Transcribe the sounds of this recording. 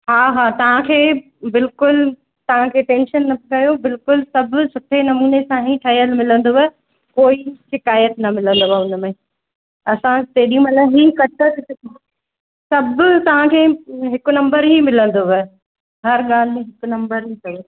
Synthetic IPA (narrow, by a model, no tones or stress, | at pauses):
ɦaːɦaːt̪ɐʋ̤ãkʰeː | bɪlkʊl | t̪ɐʋ̤ãkʰeːʈẽːnʃənːɐkɐjobɪlkʊlsɐbʱsʊʈʰenɐmuːnesãɦiʈʰɐɦijəlmɪlə̃nd̪oɦɐ | koːiʃɪkaːjət̪nɐmɪlə̃nd̪oaʊnəmẽ | ɐsãt̪eːɗiũmɐt̪lɐɦiːkɐʈʰət̪isɪ | sɐbʱʊt̪ɐʋ̤ãkʰeːɦɪkʊnɐ̃mbəɾɦimɪlə̃nd̪oʋɐ | ɦɐɾɠaːl̤ɪmẽɦɪkʊnɐ̃mbəɾɦikɐɾo